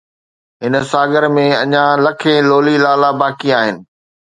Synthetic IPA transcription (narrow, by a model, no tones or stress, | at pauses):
ɦɪnə̆saːɡəɾmẽɐɲãlɐkʰẽloːlilaːlabaːkiaːɦɪnɪ̆